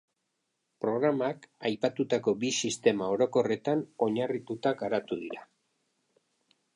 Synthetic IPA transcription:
pɾo̞ɣ̞ɾamakajpat̪ut̪ako̞bisist̪e̞mao̞ɾo̞ko̞re̞t̪ano̞ɲarit̪ut̪aɡaɾat̪uðḭɾa

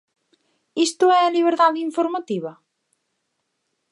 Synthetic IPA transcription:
ist̪ʊɛɐliβeɾðaðiɱfoɾmɐt̪iβɐ

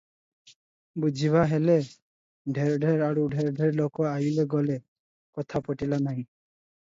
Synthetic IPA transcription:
bud͡ʒʱiβaɦele | ɖʱeɾɔɖʱeɾaɾuɖʱeɾɔɖʱeɾlokɔajleɡɔle | kɔt̪ʰapɔʈilanaɦĩ

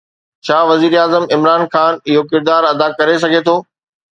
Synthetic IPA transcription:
t͡ɕʰaːʋɐziːɾeaːzəmɪmɾaːnxaːnɪɦokɪɾd̪aːɾɐd̪akɐɾes̬ɐɡʱet̪ʰoː

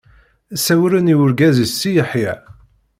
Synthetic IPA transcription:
sæwɾəniwʊɾɡæzisːijəħjæ

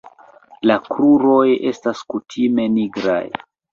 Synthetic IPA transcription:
lakɾuɾo̞je̞̰staskutʰime̞niɡɾa̰j

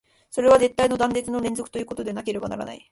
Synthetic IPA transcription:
so̞ɾe̞β̞aze̞t̪ːaino̞d̪ãnd̪e̞t͡sɨno̞ɾẽ̞nzo̞kɯ̟̥t̪o̞jɯːko̞t̪o̞d̪enake̞ɾe̞bana̰ɾa̰na̰i

